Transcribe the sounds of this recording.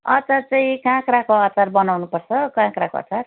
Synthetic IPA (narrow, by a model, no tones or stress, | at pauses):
ʌt͡sart͡saĩkãkɾakoat͡sarbʌnawnupʌrt͡sʰʌkãkɾakoʌ̰t͡sar